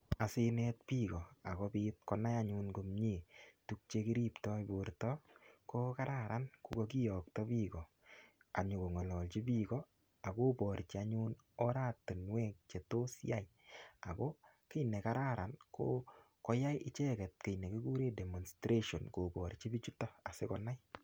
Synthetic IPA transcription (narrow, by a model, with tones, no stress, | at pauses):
a˨sɪ˦nɛt̚pi˦kɔ˨a˨kɔ˦pi˦t̚kɔ˦na˦jaɲu˧nko˨mɲe˨tu˦k̚t͡ʃe˦ki˦ɾi˦ptɔ˦jbo˨ɾtɔ˦ko˦ka˦ɾʔa˦ɾʔa˦nku˦ɡo˧k̬i˦jɔ˨k̚tɔ˦pikɔ˨ | a̰˨ɲu˨ko˨ŋɔ˨lɔ˨lt͡ʃi˦bi˦kɔ˦ | a˨koː˦bɔ˨ɾt͡ʃa˨ɲun | ɔ˦ɾa˦te˨nwɛ˦k̚t͡ʃe˨to˦sja˨j | a˨kɔ˦ | ke˦jnɛ˨ka˦ɾa˦ɾa˨nko̰˦ | kɔ˦ja˦jɪ˦t͡ʃɛ˦kɛ˨t̚ke˨nɛ˨ki˦ku˦ɾe˦dɛ˨mo˨nstɾe˦ʃɔ˨nko˨bɔ˨ɾt͡ʃe˦bi˦t͡ʃu˦tɔ˦a˨se˦kɔ˨na˦j